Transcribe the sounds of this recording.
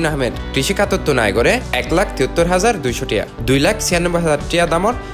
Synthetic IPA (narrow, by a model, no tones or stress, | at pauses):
inaɦmed̪kɾiʃikʰat̪ot̪ːuna̰jɡoɾeɛklakʰt̪iot̪ːoɾɦazaɾd̪ujʃoʈija̰d̪ujlakʰt͡sʰijanːobːoɦazaɾʈijad̪amɔɾ